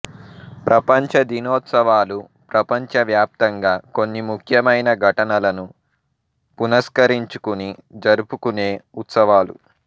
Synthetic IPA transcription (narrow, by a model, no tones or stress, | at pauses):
pɾʔɐpɐɲt͡ʃɐd̪inoːt̪sɐʋaːlu | pɾɐpɐɲt͡ʃɐʋjaːp̚t̪ɐŋɡaːko̞nːimukʰjɐmɐjnɐɡʱɐʈɐnɐlɐnu | punɐskɐɾiɲt͡ʃu̥kunid͡ʒɐɾupukune̞ːut̪sɐʋaːlṵ